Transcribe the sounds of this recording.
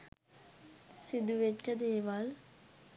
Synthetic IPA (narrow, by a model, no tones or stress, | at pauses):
sid̪uʋet͡ʃːɐd̪eːʋaːl